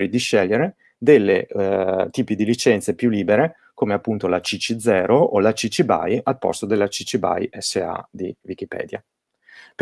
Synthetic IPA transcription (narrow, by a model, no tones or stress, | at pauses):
ɾid̪iʃɛʎːeɾe | d̪elːḛ | t̪iːpid̪ilit͡ʃɛnt̪sepjulːiːbeɾe | komeapːunt̪olat͡ʃit͡ʃid̪zɛːɾoʔolat͡ʃit͡ʃiba̰jalpɔ̰st̪od̪elːat͡ʃit͡ʃiba̰jɛsːea̰d̪ivik̟ipɛ̰ːd̪ja̰ | p